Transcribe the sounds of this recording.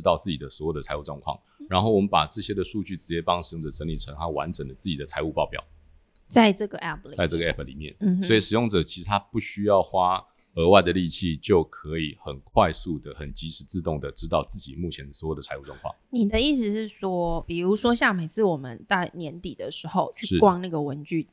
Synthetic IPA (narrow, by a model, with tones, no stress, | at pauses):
t̪ɑ˥˧ʊt͡sɹ̩˥˩t͡ɕi˨˩d̪ə˩swɔ˧˥jo˨˩ʊə˩t͡sʰa˧˥ɪu˥˩ʈ͡ʂwɑ˥˧ŋkʰwɑ̰˥˨ŋ | ɻa˧˦nxo˥˩ʊwɔ˨˩mə˦npa˨˩ʈ͡ʂɤ˥˩ɕjɛ˥d̪ə˨ʂu˥˧t͡ɕy˥˩t͡s̩˧˥t͡ɕjɛ˧˥pɑ˥ŋʂ̩˨˩jŋʈ͡ʂə˨˩ʈ͡ʂə˧˥ŋli˨˩ʈ͡ʂʰə˧˥ŋa˦˥wa̰˧˦nʈ͡ʂə˨˩ŋd̪ə˩t͡sɹ̩˥˩t͡ɕi˨˩d̪ə˩t͡sʰa˧˥ɪu˥˧pɑ˥˧ʊpjɑ̰˨˩ʊ | t͡sa˥˧ɪʈ͡ʂɤ˥˩ɡə˩ʔɛ˥˩p̚ʰlt͡sa˥˧ɪʈ͡ʂɤ˥˩ɡə˧ɛ˥pʰli˨˩mjɛ̰˥˩n̩˧swɔ˧˥i˨˩ʂɻ̩˩jo˥˩ŋʈ͡ʂɤ˨˩t͡ɕʰi̥˧˥ʂɻ̩˧t̪ʰa˦˥pu˥˩ɕy˥jɑ˥˩ʊxwa˥ | ə˧˥wa˥˩ɪd̪ə˩li˥˧t͡ɕʰi˥˧t͡ɕjo˥˩ʊkʰə˧˦i˨˩xə˨˩nkʰwa˥˧ɪsu˥˩d̪ə˩xə˨˩nt͡ɕi˧˥ʂɻ̩˨˩t͡sɹ̩˥˧t̪ʊ˥˩ŋd̪ə˩ʈ͡ʂɻ̩˥t̪ɑ˥˧ʊt͡sɹ̩˥˩t͡ɕḭ˨˩mu˥˩t͡ɕʰjɛ˧˥nd̪ə˩swjo˥˩d̪ə˩t͡sʰa˧ɪu˥˧ʈ͡ʂwɔ˥˧ŋkʰwɑ̰˥˩˨ŋni˨˩d̪ə˦i˥˩sɻ̩˨˩ʂɻ̩˥˩ʂwɔ˥pi˨˩ɻu˧˥ʂwɔ˥ɕja˥˩ŋme˨˩ɪt͡sʰɹ̩˥˩wɔ˨˩mə˦nt̪a˥˩ɪnjɛ˧˥nt̪i˨˩d̪ə˩ʂɻ̩˧˥xo˥˧ʊt͡ɕʰy˥ʂ̩˥˩kwɑ˥ŋna˥˩ɡə˩wə˧˦nt͡ɕy˥˩